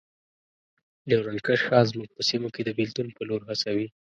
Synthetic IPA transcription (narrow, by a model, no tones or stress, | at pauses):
lewɾankəʃxɑzmuɡ̚pəsimoked̪əbɪlt̪unpəloɾɦasawi